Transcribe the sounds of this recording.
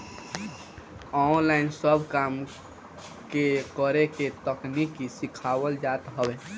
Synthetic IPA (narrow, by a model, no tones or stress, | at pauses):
ɔnlaɪinsəbʱkam | kekəɾeket̪əknikisikʰawəld͡ʒat̪ɦəbe